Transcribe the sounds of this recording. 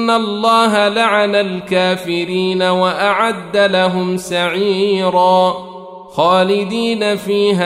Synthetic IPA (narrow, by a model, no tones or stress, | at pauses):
nːalˤːɑːɦalaʕanalkaːfɪɾiːnawaʔaʕad̪ːalaɦʊmsaʕiːɾaː | xaːlɪd̪iːnafiːɦa